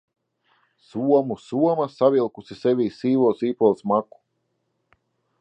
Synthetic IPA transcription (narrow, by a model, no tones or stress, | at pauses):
suɔmusuɔmasavʲilˠkusisevʲiːsiːvuɔsiːpɔlˠsmaku̥